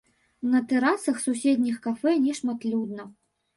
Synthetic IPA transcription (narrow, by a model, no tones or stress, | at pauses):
nɐt̪ɛɾasɐxsusʲed̪ʲnʲixkafɛnʲɛʂmat̪lʲud̪nɐ